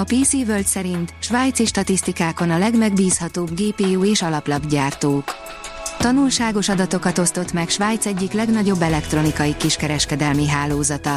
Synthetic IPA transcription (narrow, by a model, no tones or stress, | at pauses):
ɒpiːsiːvølt̪sɛɾint̪ʃʋaːjt̪siʃt̪ɒt̪ist̪ikaːko̞nɒlɛɡmɛɡbiːshɒt̪oːbɡeːpeːuːeːʃɒlɒplɒbɟaːrt̪oːk | t̪ɒnulʃaːɡo̞ʃɒd̪ɒt̪o̞kɒt̪o̞st̪o̞t̪mɛkʃʋaːjt̪sɛɟːiklɛɡnɒɟo̞bːɛlɛkt̪ro̞nikɒjikiʃkɛɾɛʃkɛd̪ɛlmiɦaːloːzɒt̪ɒ